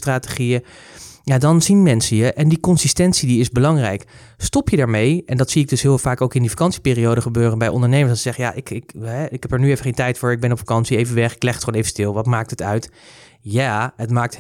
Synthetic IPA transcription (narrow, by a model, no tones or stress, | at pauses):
traːtəχijə | jadɑnzinmɛnsəjəʔɛndikɔnsistɛntsidiɪzbəlɑŋrɛjk | stɔpjədaːɹmejɛndɑtsiɪɡ̚dɵsɦɪːlˠfaːkowkɪndifakɑnsipɪːriowdəχəbøːrənbɛjɔ̰ndəɹnejməsdɑnsɪszɛχəja̰ʔɪkɪkɦɛɪkɦɛpəɹnyevəχẽjntɛjtfʊːɹɪɡ̚bɛnɔpfḁkɑnsiejvənʋɛχɪklɛχətχonejvəstɪlˠʋɑtmaːk̚tətœɥt | jaːətmaːk̚t